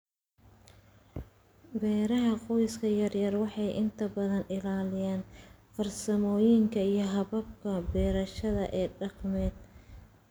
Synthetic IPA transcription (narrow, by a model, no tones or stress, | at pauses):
bɛːɾɐɦɐqɔjskʰɐjɐrjɐrwɑħɑjʔɪnt̪ʰɐbɐðɐnɪlaːlɪjaːnfɐrsɐmɔːjɪŋkʰɐijɞɦɐβɐb̚kʰɐbɛːɾɐʃɐðɐ̰ʔɛːɖɑqmɛːd̪̚